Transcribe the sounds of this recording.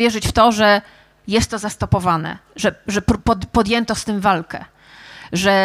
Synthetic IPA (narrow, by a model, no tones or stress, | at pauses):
jɛʐɘt͡ɕft̪ɔʐɛ | jɛst̪ːɔzast̪ɔpɔvanɛ̰ʐɛʐɛpɾpɔd̪pɔd̪jɛnt̪ɔst̪ɘmvalkɛ̰ | ʐɛ